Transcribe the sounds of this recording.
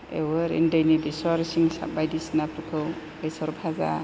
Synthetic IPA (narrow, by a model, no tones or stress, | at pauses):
ḛwəɾḛndajnibisɔɾsiŋsa̰bajdisnapʰɾɯkʰɯw | besɔɾpʰaza̰